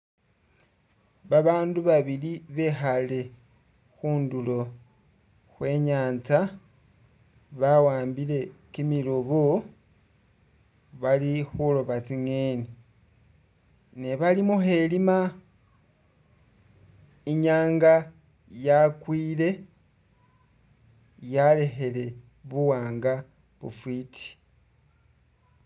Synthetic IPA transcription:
βaβaːnduβaβiliβe̞xale̞ | xuːndulo̞ | xwe̞ːɲaːnt͡sa | βawaːmbile̞kimiloβo | βalixulo̞βat͡siŋeni | neβalimuxe̞lima | iɲaːŋɡa | jakwiːle̞ | jale̞xe̞le̞ | βuwaːŋɡa | βṵfwiːti̥

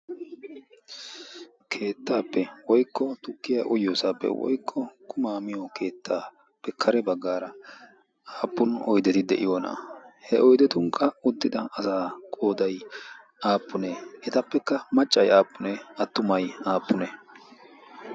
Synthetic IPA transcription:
kʰe̞ːt̪ːaːpːɛwɔjkʰːɔt̪ʊkːɪjaːʔɔjoːsaːpːɛ̰wɔ̰jkʰːɔkʰʊmaːmɪjoke̞ːt̪ːaː | pːɛkʰːɐɾɛbɐɡːaːɾɐ | aːpːʊnɔjd̪ɛt̪ɪd̪ɛ̰ʔɪ̰joːna̰ːhɛʔɔjd̪ɛt̪ʊŋkʰʼːɐʊd̪ːɪd̪ɐʔɐsaːkʼo̞ːd̪ɐj | ʔaːpːʊneʔɛt̪ɐpːɛkːɐmɐt͡ʃʼːɐjaːpːʊnɛɐt̪ːʊmɐjaːpːʊnɛ

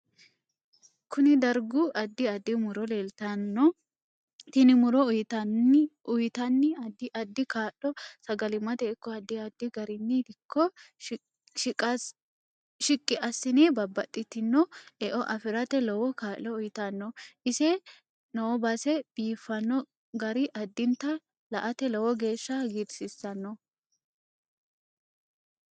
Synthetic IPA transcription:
kʊnɪd̪ɐɾɡʊʔɐd̪ːɪɐd̪ːɪmʊɾɔleːlt̪anːɔ | t̪ɪnɪmʊɾɔʊjt̪ɐʊjt̪ɐnːɪd̪ʔɐd̪ːɪkaːʔɔsɐɡɐlɪmɐt̪ɛɪkːɔɐd̪ːɪɐd̪ːɪɡɐɾɪnːɪd̪ɪkʰːɔ | ʃɪkʼːɪʔɐsːɪnɛbɐbːɐt̪ʼːɪt̪ːɪnːɔɛʔɔʔɐfɪɾɐt̪ɛlɔwɔkaːʔɔʊjɪt̪ɐnːɔʔɪsɛ | nɔwbɐsɛb̥iːfːɐnːɔ | ɡɐɾɪʔɐd̪ːɪnt̪ːɐ | lɐʔɐt̪ɛlɔwɔɡe̞ːʃːaɡɪɾsɪsːɐnːɔ

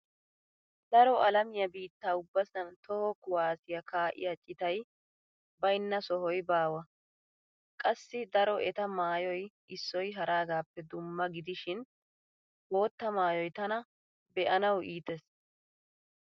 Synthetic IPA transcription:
d̪ɐɾɔɐlɐmɪjɐbiːt̪ːaːʊbːɐsɐnt̪ɔhɔkʊwaːsɪjɐkaːʔɪ̰jɐt͡ʃʼɪt̪ɐj | bɐjɪnːɐsɔhɔjbaːwɐ | kʼɐsːɪd̪ɐɾɔʔɛt̪ɐmaːjɔj | ɪsːɔjɦɐɾʔaːɡaːpːɛd̪ʊmːɐɡɪd̪ɪʃɪn | bo̞ːt̪ːɐmaːjɔjt̪ɐnɐ | bɛʔɐnɐwiːt̪ɛs

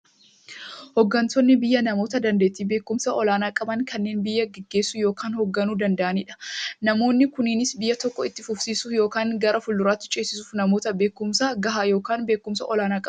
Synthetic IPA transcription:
hɔɡːɐnt̪ɔnːɪbɪjːɐnɐmo̞ːt̪ɐd̪ɐnd̪eːt̪iːbe̞ːkːʊmsɐʔɔlaːnaːkʼɐbɐŋkɐnːe̞ːnbɪjːɐɡɛɡːe̞ːsːʊjo̞ːkaːnhɔɡːɐnuːd̪ɐnd̪ɐʔɐniːᶑɐ̥nɐmo̞ːnːɪkʊniːnɪsbɪjːɐt̪ɔkːɔɪt̪ːɪfʊfsiːsʊjo̞ːkaːŋɡɐɾɐfʊlːʊɾaːt̪ːɪ̥t͡ʃʼe̞ːsɪsuːfnɐmo̞ːt̪ɐbe̞ːkːʊmsaɡɐɦaːjo̞ːkaːnbe̞ːkːʊmsɐ̰ʔɔlaːnaːkʼɐ

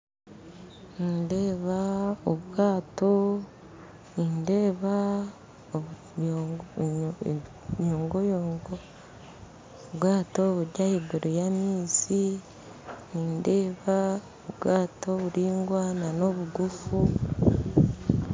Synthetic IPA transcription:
ninde̞ːβaoβɡaːto̞ | ninde̞ːβa | ɲoːŋɡojoɡo | oβɡaːtoβuɾɟahiɡuɾojamiːsi | ninde̞ːβaoβɡaːtoβuɾiːŋɡwaːnano̞βuɡufu

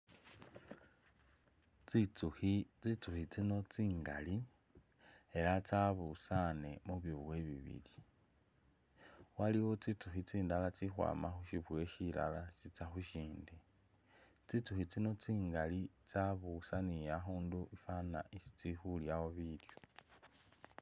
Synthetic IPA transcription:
t͡sit͡suxit͡sit͡suxit͡sino̞t͡siːŋɡali | e̞lat͡saβusane̞muβiβwe̞βḭβḭli | waliwo̞t͡sit͡suxit͡siːndalat͡sixwa̰ːmaxuʃiβwe̞ʃila̰lasit͡saxuʃiːndi | t͡sit͡suxit͡sino̞t͡siːŋɡalit͡saβusanijaxuːnduʔifana̰ʔisi̥t͡sixuljawo̞βiljo

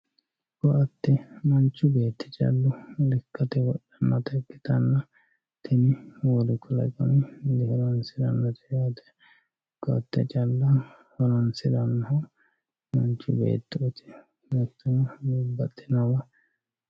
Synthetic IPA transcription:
kɔʔɐt̪ːɛmɐnt͡ʃːʊbe̞ːt̪ʰːɛ̥t͡ʃʼɐ̰lːʊlɪkːɐt̪ɛwɔɗːɛnːɐt̪ɐkːɪt̪ɐnːɐ | t̪ʰɪnɪwɔlɪkːɔlɐ̰kʼɔnɪd̪ɛhɪlɐnsɪd̪ɐnːɐt̪ɛɐt̪ɛ̥ | kɔɐ̰t̪ːɛt͡ʃʼɐlːɐ | hɔlɐnsɪd̪ɐnːɐhɐ | mɐnt͡ʃːʊ̰bḛːt̪ːɛɔt̪ɪ̥ | nɐt̪ːɐnɐɡbːɐt̪ʼːɪnɐwɐ

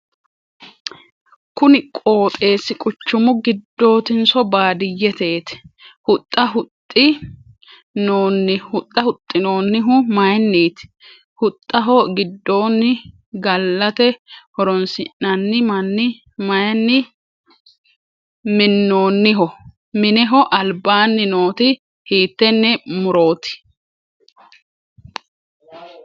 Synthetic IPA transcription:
kʊnɪkʼo̞ːt̪ʼe̞ːsɪkʼʊt͡ʃːʊmʊɡɪd̪ːo̞ːt̪ɪnsɔbaːd̪ɪjːɛt̪e̞ːt̪ɪ̥hʊt̪ʼːɐɦʊt̪ʼːɪ | noːnːɪhʊt̪ʼːɐhʊt̪ʼːɪno̞ːnːɪɦʊmɐjnːiːt̪ | hʊt̪ʼːɐɦɔɡɪd̪ːo̞ːnːɪ | ɡɐlːɐt̪ɛhɔɾɔnsɪnːɐnːɪmɐnːɪ | mɐjɐnːɪ | mɪnːo̞ːnːɪɦɔ | mɪnɛɦɔʔɐlbaːnːɪno̞ːt̪ɪ | hiːt̪ːɛnːɛmʊɾo̞ːt̪ɪ̥

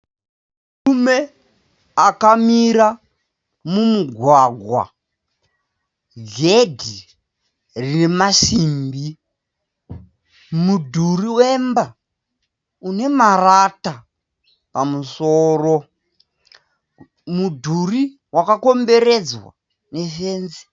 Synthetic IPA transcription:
rume̞ | akamiɾa | mumuɡʱwaɡʱwa̰ | ɡʱedʱi | rinemaʃiːmbi | mudʱuriwemba | une̞marata | pamusoːro | mudʱuri | wakako̞mbe̞ɾe̞d͡zwa̰ | ne̞fe̞ːnzi̥

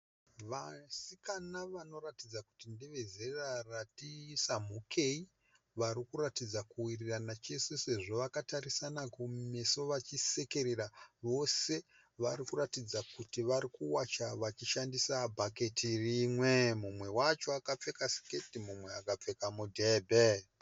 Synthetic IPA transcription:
ʋasikanaʋano̞ratid͡zaku̥tindeʋe̞zeraratisamukʰe̞i | ʋaɾikuratid͡zakuwiriranat͡ʃe̞sese̞ʐo̞ʋakataɾisanakume̞so̞ʋat͡ʃise̞ke̞ɾeɾaʋo̞se̞ | ʋarikuɾatid͡zakutiʋaɾikuwat͡ʃaʋat͡ʃiʃandisabʱake̞tʰirimwemumwe̞wat͡ʃo̞akap͡fe̞kasi̥ke̞timumwe̞akap͡fe̞kamudʱebʱe

